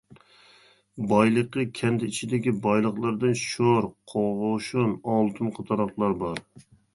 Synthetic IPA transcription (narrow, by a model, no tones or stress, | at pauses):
bɑjlˠəqːəkʲʰɛnd̪ɛit͡ʃʰid̪ɪkʲibɑjlˠəχlˠɑɾd̪ɨnʃoɾqʰoʁʊʃunɑlˠt̪ʰunqʰət̪ʰɑɾɑχlˠɑɾbɑɾ